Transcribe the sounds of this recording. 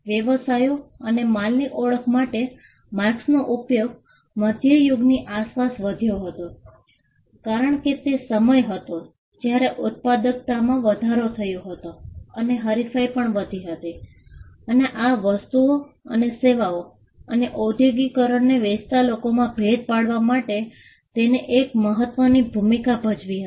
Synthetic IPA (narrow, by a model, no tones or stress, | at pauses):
ʋjəʋəsajoənemalniʔoɭəkʰmaʈe | maksnoʔupjoɡ | məd̪ʱjəjʊɡniʔaspasʋəd̪ʱjoɦət̪o | kaɾəɳket̪esəməjɦət̪o | d͡ʒjaɾeʔʊt̪̚pad̪ək̚t̪amãʋəd̪ʱaɾot̪ʰəjõɦət̪oəneɦəɾifajpəɳʋəd̪ʱiɦət̪i | əneʔaʋəst̪uoə̰neseʋao | əneʔod̪ʱjoɡikəɾəɳneʋed͡ʒt̪alokomãbʱed̪̚paɽʋamaʈe | t̪eneʔekməɦət̪ʋənibʱumikabʱəd͡ʒʋiɦə